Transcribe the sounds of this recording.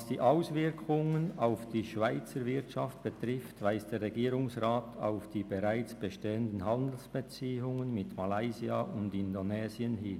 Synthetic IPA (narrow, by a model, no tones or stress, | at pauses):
sd̥iːʔaʊsvɪʁkʰʊŋənaʊfd̥iːʃv̥aɪt͡səɾvɪtʃaft̚b̥ətʁɪftvaɪsd̥eːʁʁeɡiːɾʊŋsʁaːtʰa̰ʊfd̥iːbeʁaɪt͡sb̥əʃteːəndn̩ɦandl̩sb̥et͡siːʊŋənmɪtmalaɪziaʔʊndɪndonɛːzjənhɪn